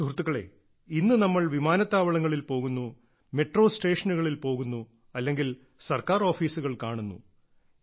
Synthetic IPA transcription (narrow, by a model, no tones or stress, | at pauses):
turut̪ːuɣɐɭe̞̰ː | inːɨnɐmːɐɭʋimaːnɐt̪ːaːʋɐɭɐŋːɐɭilpo̞ːɣunːu | me̞ʈro̞ːsʈe̞ːʂɐnuɣɐɭilpo̞ːɣunːu | ɐlːe̞ŋɡil | sɐrkaːro̞ːfiːsuɣɐɭkaːɳunːu